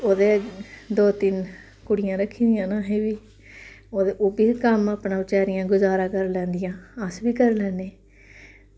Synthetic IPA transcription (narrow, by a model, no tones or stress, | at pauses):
oːd̪eːd̪oːt̪ɪn | kʊɽɪjãːɾəkʰːĩːd̪ɪjãːnãːɦeːʋiː | oːd̪ʔoːbiːkəmaːpɳãːʋɪt͡ʃaːɾɪjãːɡʊzaːɾãːkəɾlɛ̃ːnd̪ɪjãːəsʋiːkəɾlɛ̃ːneː